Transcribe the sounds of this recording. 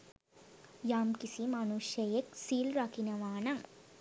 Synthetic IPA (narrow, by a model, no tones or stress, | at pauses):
jaːmkisimanuʃjejeksiːlɾakinəʋaːnɐŋ